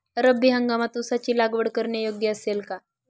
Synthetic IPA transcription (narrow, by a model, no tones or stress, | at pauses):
əɾəbʱːiɦəŋɡamat̪usat͡ɕiːlaɡʋəɽkəɾɳjəjoɡjəəselka